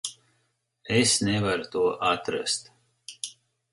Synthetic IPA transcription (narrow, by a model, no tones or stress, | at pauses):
esnɛvaɾt̪uɔʔat̪ɾast̪